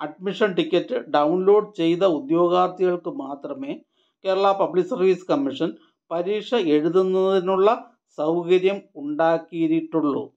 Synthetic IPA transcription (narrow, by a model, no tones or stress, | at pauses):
ɐɖ̚miʂɐnʈikʲːɐtːɨɖɐwnlo̞ːɖt͡ɕe̞jt̪ɐud̪jo̞ːɡaːrt̪ːiɣɐɭkɨmaːt̪rɐme̞ː | keːɾɐɭaːpɐblikːsɐrʋiːsɨ̥kɐmːiʂɐn | pɐɾiːkʂɐe̞ɻuðunːɐðinuɭːɐ | sɐwkɐɾjɐmuɳɖaːkːijɾiʈːuɭːṵ